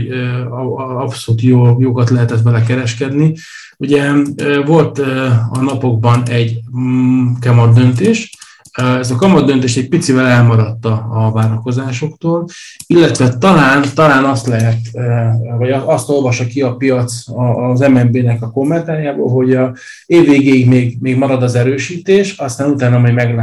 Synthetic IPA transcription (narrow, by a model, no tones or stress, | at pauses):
ɒpsoluːt̪joːjoɡɒt̪lɛɦɛt̪ɛt̪bɛlɛkɛɾɛʃkɛd̪ni | uɟɛvo̞lt̪ɒnɒpo̞ɡ̚bɒnɛɟ | kɒmɒd̪ːø̞nt̪eːʃ | ɛzɒkɒmɒd̪ːønt̪eːʃɛc̚pit̪sivɛlɛlmɒɾɒt̪ːɒːvaːɾɒko̞zaːʃo̞kt̪oːlilːɛt̪ʋɛt̪ɒlaːnt̪ɒlaːnɒst̪lɛɦɛt̪ | vɒɟɒst̪o̞lvɒʃɒkiɒpijɒt̪sɒzɛmɛmbeːnɛkɒko̞mːɛnt̪aːɾjaːbo̰ːlɦo̞ɟ | eːvːeːɡeːiɡmeːɡmeːɡmɒɾɒd̪ɒzɛɾøːʃiːt̪eːʃɒst̪aːnut̪aːnɒmɛmɛɡla